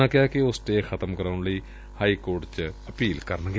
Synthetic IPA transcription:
ãːkɪjaːkiosʈ̪eːkʰət̪əmkəɾaːʊɳləiː | haːiːkoːɾʈt͡ʃəpiːlkəɾnɡe

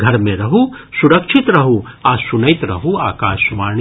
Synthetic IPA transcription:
ɡʱɐɾmẽɾɐɦu | suɾɐkʃʰɪt̪ɾɐɦu | aːsʊnɐjt̪ɾɐɦuaːkaːʃʋaːɳ

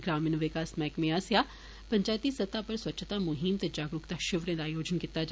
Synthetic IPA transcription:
ɡɾaːmɪnʋɪkaːsmɛːkmẽaːsjaː | pəɲt͡ʃaːjt̪isət̪aːpəɾswətːt͡ʃʰʃʰt̪aːmʊɦɪmt̪eːd͡ʒaːɡɾʊkd̪aːʃɪʋɾẽːd̪aːjoːd͡ʒənkɪt̪ːaːd͡ʒ

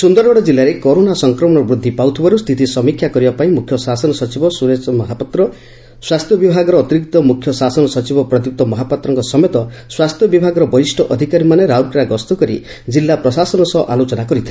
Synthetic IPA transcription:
sund̪ɔɾɔɽɔd͡ʒilːaɾekɔɾonasɔŋkɾɔmɔɽ̃ɔbɾud̪ʱːipaut̪ʰibaɾust̪ʰit̪isɔmikʰjakɔɾibapaĩmukʰjɔsasɔnɔsɔt͡ʃibɔsuɾet͡ʃɔmɔɦapɔt̪ɾɔ | swast̪ʰjɔbibʱaɡɔɾɔːt̪iɾik̚t̪ɔmukʰjɔsasɔnɔsɔt͡ʃibɔpɾɔd̪juk̚t̪ɔmɔɦapat̪ɾɔŋkɔsɔmet̪ɔswast̪ʰjɔbibʱaɡɔɾɔbɔisʈʰɔʔɔd̪ʱikaɾimaneɾaukɾaɡɔst̪ɔkɔɾi | d͡ʒilːapɾɔsasɔnɔsɔʔalot͡ʃɔnakɔɾit̪ʰe

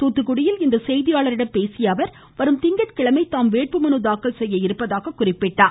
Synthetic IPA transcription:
t̪uːt̪ːɯkɯɽɪjɪlɪnd̪ɐsɛjðɪjaːɭɐɾɪɽɐmpeːsɪjaːʋɐɾ | ʋɐɾɯmt̪ɪŋɡɐʈkɪɭɐmɐɪt̪ːaːmʋeːʈ̚pɯmɐnɯd̪aːkːɐɭsɛjːɐɪɾɯpːɐðaːɣɐkʊrɪpːɪʈːaː

